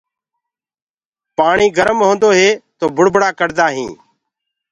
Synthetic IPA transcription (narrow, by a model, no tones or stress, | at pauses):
paːɳiːɡəɾəmɦõːnd̪oːɦeːt̪oːbʱʊɽbʱɽaːkəɽd̪aːɦĩː